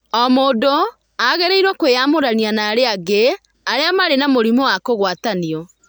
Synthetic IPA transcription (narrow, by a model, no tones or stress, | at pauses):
ɔmoːdo | aɣɛɾeiɾwakwejamoɾanianaːɾeaɡe | aɾeamaɾenamoɾimɔwakoɣwataniɔ